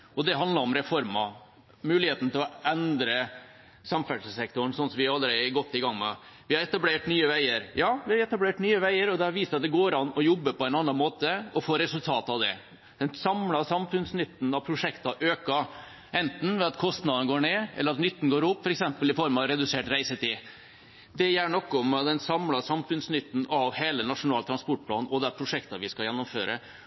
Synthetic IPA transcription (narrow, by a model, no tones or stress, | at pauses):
ɔd̪ɛɦɑnd̪ɑɾɔmɾɛfɔɾmɑ | mʉːlɪheːt̪n̩t̪ʰɪlɔɛnd̪ɾə | sɑmfæɖsəsɛk̚t̪ʊɳ̩sɔnsɔmʋɪæɾɑlːəɾɛɡɔt̪ːɪɡɑŋːmɛ̰ | ʋɪhɑɾɛt̪ɑbleːʈnyːəʋæɪəɾjɑːʋɪhɑɾɛt̪ɑbleːʈnyːəʋæɪəɾɔd̪ɛhɑɾʋiːsɑt̪̚d̪ɛɡoːɾɑnːɔjɔbːəpʰɔɛɪnɑnːɑnmoːt̪əɔfoːɾɛsʉlt̪ʰɑːt̪ɑʋd̪ɛ̰ | d̪̥ɛnsɑmlɑsɑmfʉnsnɪt̪ːn̩ɑʋpʰɾʊʂɛkt̪ɑʔøːkɑ | ʔɛnt̪n̩ʋɛɑt̪kʰɔst̪nɑd̪ɑnəɡoːɳeːʔɛ̰lːəɾɑt̪nʏt̪ːn̩ɡoːɾʊpːfɔɾɛksɛmpəlɪfɔɾmɑʋɾɛd̪ʉseːʈɾæɪsət̪ʰɪ | d̪ɛjælɳɔkːɔmɑd̪ɛnsɑmlɑsɑmfʉnsnɪt̪ːn̩ɑʋheːlənɑʂʊnɑːlt̪ʰɾɑnspɔʈ̚pʰlɑ̰ːnɔd̪ɛpʰɾʊʂɛkt̪ɑʋɪskɑljɛnːʊmføːɾʔə̰